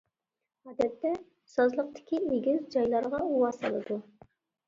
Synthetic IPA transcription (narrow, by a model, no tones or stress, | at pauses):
ɑd̪ɛt̪ːɛ | sɑzlˠəq̚t̪ɪ̥kʲieɡʲɪzd͡ʒɑjlˠɑɾʁɑuwɑɑ̰lˠɨd̪u